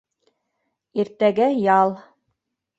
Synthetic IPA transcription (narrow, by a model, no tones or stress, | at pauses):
iɾt̪æɡæjɑlˠ